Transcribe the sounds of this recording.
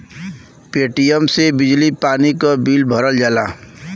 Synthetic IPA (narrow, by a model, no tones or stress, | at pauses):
peːʈijəmsebɪd͡ʒlipaːnikabiːlbʱəɾəld͡ʒaːlaː